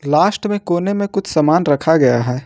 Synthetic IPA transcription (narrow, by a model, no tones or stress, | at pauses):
laːsʈmẽkoːnemẽkʊt͡ʃʰsɐmaːnɾɐkʰaɡɐjaɦɛː